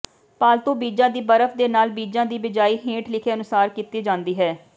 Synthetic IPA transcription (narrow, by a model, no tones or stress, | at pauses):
paːlt̪õːbiːd͡ʒãːd̪iːbəɾəfʰd̪eːnaːlbiːd͡ʒãːd̪iːbɪd͡ʒaːiːɦẽːʈlɪkʰeːənʊsaːɾkiːt̪iːd͡ʒãːnd̪iːɦɛː